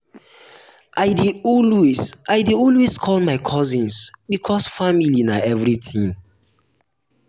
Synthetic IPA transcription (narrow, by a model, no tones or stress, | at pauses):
ʔaɪdiɔlwesʔaɪdiɔlweskʰɔlmaɪkʰɔzĩnsbikʰɔsfamilinaɛvɹitʰĩm